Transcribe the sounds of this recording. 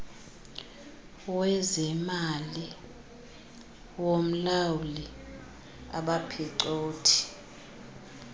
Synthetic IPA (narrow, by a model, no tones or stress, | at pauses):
wɛzɛmali | wom̩lawuli | a̰ɓapʰɛǀoːtʰi̥